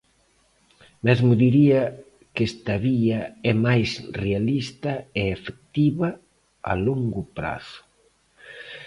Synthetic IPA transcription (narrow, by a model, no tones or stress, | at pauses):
mezmʊðiɾiɐ | kest̪ɐβiɐɛmajsrealist̪ɐeefek̚t̪iβɐ | a̰loŋɡʊpɾa̰θʊ̥